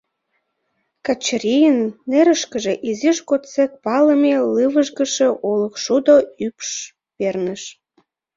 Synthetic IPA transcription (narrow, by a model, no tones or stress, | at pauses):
kɑt͡ɕɾijənːeɾəʃkəʒeʔiziʃkot̪t͡sek̚pɑləmelɨβəʒɣəʃĕʔolə̆kʃud̪oypʃ | pernəʃ